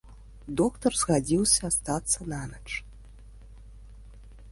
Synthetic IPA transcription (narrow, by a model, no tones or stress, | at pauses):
d̪okt̪ɔrzɣad͡zʲiwsʲɐːst̪at̪sːɐnanɐt͡ʂ